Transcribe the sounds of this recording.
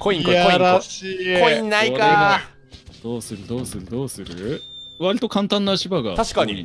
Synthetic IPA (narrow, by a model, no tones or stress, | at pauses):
kʰoĩŋjaɾaɕiːkoĩnːaikae | d̪̥oːsɨɾɯ̟d̪o̞ːsɨɾɯ̟d̪oːsɨɾɯ̰βaɾʲit̪o̞kãnt̪ãnːaɕibaɡa̰t̪aɕi̥kaɲi